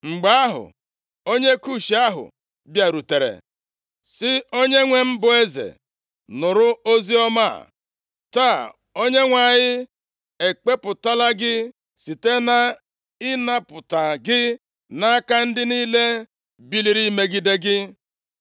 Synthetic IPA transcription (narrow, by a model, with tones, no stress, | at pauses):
ŋ͡m̩˨ɡ͡ba˦a˦ɦʊ̰˨ | o˦ɲe˦ku˦˨ʃi˨a˦ɦʊ̰˨ | bja˨ɾu˨te˨ɾḛ˨ | sɪ˦o˦ɲe˦ŋʷe˦m̩˦bʊ˨e˦zḛ˨ | nʊ˨ɾʊ˦o˦zi˦ɔ˦ma̰˦˨ | ta˦˨ | o˦ɲe˦ŋʷa˨ɲɪ˦ | e˨k͡pe˦pʊ˨ta˦la˦ɡɪ˦ | si˨te˦na˦ | ɪ˦na˦pʊ˨ta˨ɡɪ˦ | na˦a˦ka˦n̩˦dɪ˦niː˦le˦ | bi˦li˨ɾi˦me˦ɡi˦de˦ɡɪ˦